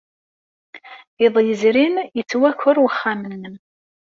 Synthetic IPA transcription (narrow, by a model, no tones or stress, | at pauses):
ɪðˤjəzɾinjət͡sːwækːʊɾwəχːamənːəm